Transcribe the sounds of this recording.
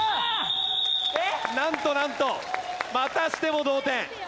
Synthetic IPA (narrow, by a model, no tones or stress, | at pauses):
enãnt̪onãnt̪omat̪aɕi̥t̪e̞mo̞d̪oːt̪ẽ